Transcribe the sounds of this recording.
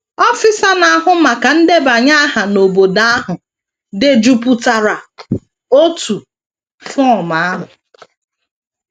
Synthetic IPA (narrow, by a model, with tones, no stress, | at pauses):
ɔ˦fɪ˦sa˦na˨ɦʊ˦ma˨ka˨n̩˦de˦ba˨ɲa˦a˦ɦa˨no˨bo˨da˦a˦ɦʊ˨ | de˨d͡ʒu˨pu˨ta˨ɾa˨ | o˦tu˨ | fɔ˦˨ma˨a˦ɦʊ˨